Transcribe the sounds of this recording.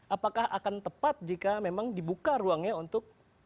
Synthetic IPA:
ʔapakahʔa̰kant̪əpat̪̚d͡ʒikamemaŋdibukaruaŋɲaunt̪ʊk̚

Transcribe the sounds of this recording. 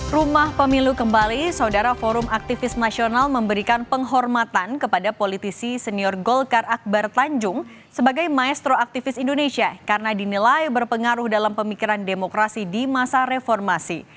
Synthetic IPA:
rumahpəmilukəmbalisaudaɾafɔɾʊmak̚t̪ifɪsnasionalməmbəɾikanpəŋɦɔrmat̪ankəpadapolit̪isisəniɔrɡɔlkarak̚bart̪aɲd͡ʒʊŋ | səbaɡajmaɛst̪ɾoak̚t̪ifɪsindoneʃiakaɾənadinilajbərpəŋaɾʊhdalampəmikiɾandemokɾasidimasaɾefɔrmasi

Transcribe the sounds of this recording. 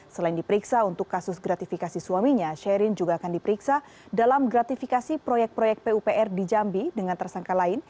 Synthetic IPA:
səlaɪndipəɾiksaunt̪ʊkːasʊsɡɾat̪ifikasisuwamiɲaʃɛɾɪnd͡ʒuɡaːkandipəɾiksa | dalamɡɾat̪ifikasipɾojɛk̚t̚pɾojɛk̪̚peupeʔɛrdid͡ʒambidəŋant̪ərsaŋkalaɪn

